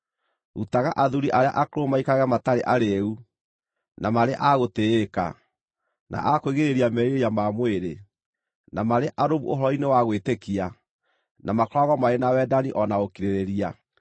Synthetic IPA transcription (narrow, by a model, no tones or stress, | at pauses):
ṵtaɣaʔaðuɾiʔaɾea̰ʔakoɾomaikaɣɛmataɾeʔaɾeu | namaɾeʔaɣoteeka̰ | nʔa̰ʔakoiɣeɾeɾiamɛiɾejamamweɾe | namaɾeʔaɾoβṵoɦɔɾɔinewaɣwetekia | nʔamakoɾaɣɔmaɾenawɛdaniʔɔnaokiɾeɾeɾia